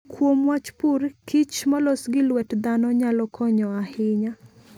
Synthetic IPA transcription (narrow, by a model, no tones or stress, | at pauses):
kwomwat͡ʃpurkʰit͡ʃmɔlɔsɡɪlwɛtd̪anɔɲalɔkʰɔɲɔahɪɲa